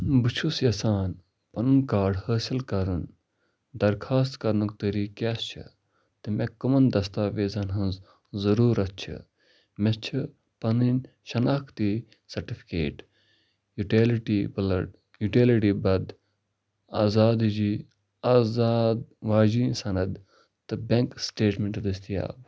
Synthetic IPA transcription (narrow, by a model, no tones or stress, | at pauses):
bɨt͡ʃʰusjɐsaːn | pɐnɨnkaːɖhəːsilkɐɾɨn | d̪ɐɾkʰaːst̪kɐɾnukt̪əɾiːkʲaːst͡ʃʰɨ̰ | t̪ɨmekɐmɐnd̪ɐst̪aːʋeːzɐnɦɐnz | zɐɾuːɾɐs̚t͡ʃʰɨ̰ | mest͡ʃʰi | pɐnɨnʲ | ʃɐnaːkʰt̪i | sɐɾʈifi̥kḛːʈ | juʈelʈibɐlɐʈ | juʈeliʈiːbɐd̪ | aːzaːd̪id͡ʒi | aːzaːd̪ʋaːd͡ʒiːnsɐnɐd̪ | t̪ɨbeŋksʈeːʈmeɳʈd̪ɐst̪ija̰ːb